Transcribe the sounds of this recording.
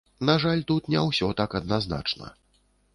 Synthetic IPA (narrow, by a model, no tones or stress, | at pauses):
naʐalʲt̪ut̪nʲawsʲɔt̪akɐd̪̚nazna̰t͡ʂnɐ̰